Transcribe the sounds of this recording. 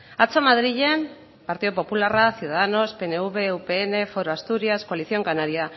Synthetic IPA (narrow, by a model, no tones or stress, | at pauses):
at͡somaðɾiʎe̞m | paɾt̪iðopo̞pularasjuðaðano̞spe̞ne̞uβe̞upeːne̞fo̞ɾoast̪uɾiasko̞aliθio̞ŋkanaɾia